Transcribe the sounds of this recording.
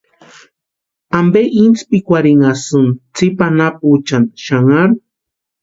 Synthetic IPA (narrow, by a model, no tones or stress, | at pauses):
ambeʔint͡spikʷaɾiŋasunt͡sipanap̚ut͡ʃanʃaŋaɾ